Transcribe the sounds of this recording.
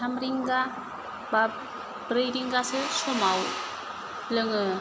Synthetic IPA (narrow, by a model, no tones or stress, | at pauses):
amɾiŋɡa | ba | bɾejɾiŋɡasɯsɔmaw | lɯŋɯ